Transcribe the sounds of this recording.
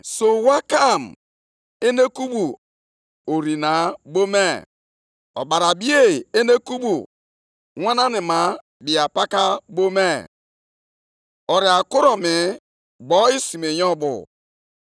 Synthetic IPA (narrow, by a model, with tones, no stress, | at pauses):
so˨wa˦ka˦˨m | e˦ne˦ku˦bu˨ | o˨ɾi˨na˨˦bo˦me˦ | ɔ̰˨ba˨ɾa˨bi˦e˦˨e˦ne˦ku˦bu˨ | wa˦na˦nɪ˨ma˨˦ | bi˨a˨pa˦ka˦bo˦me˦ | ɔ˨ɾi˨a˨kʊ˦ɾɔ˨mɪ˨ | ɡ͡bɔ˦i˦si˨me˨jɔ˦bʊ̰˨